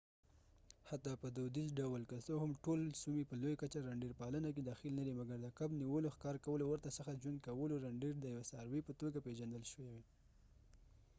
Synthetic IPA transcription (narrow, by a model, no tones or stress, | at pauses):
hat̪ːɑpəd̪od̪izɖawəlkasohamʈolsumipəlojakat͡ʃaɾaɳɖiɾpɑlənak̬ed̪ɑxilnad̪imaɡaɾd̪əkabniwəloxkɑɾkawəlowəɾt̪asəxad͡ʒwand̪̚kawəloɾaɳɖiɾd̪əjawesɑɾwipət̪oɡapeʒand̪əlʃəwewe